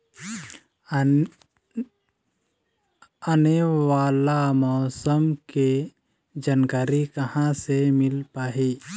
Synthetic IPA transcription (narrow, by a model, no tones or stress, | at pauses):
ənewaːlamɔːsəmke | d͡ʒaːnkaːɾikəhãsemɪlpaːɦi